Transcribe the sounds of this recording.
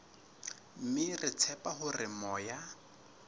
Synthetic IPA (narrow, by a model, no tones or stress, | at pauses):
m̩mɪrɪt͡sʰɛpahʊrɪmɔːja